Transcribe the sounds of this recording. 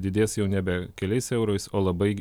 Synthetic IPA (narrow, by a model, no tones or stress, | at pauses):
d̪ʲɪd̪ʲeːsjɛʊnʲɛbʲɛkʲɛlʲɛɪsɛʊɾoɪsoːlˠɐbɐɪ